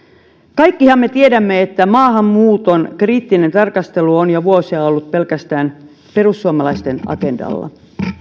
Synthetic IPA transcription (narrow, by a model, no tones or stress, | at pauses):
kɑjkːihɑmːe̞t̪iedæmːeet̪ːæmɑːhɑmmuːt̪onkriːt̪ːine̞nt̪ɑrkɑst̪e̞luonjɑʋuosiɑolːut̪̚pe̞lkæst̪æːn | pe̞rusːuɑmɑlɑist̪e̞nɑ̰ke̞ndɑ̰lːɑ̰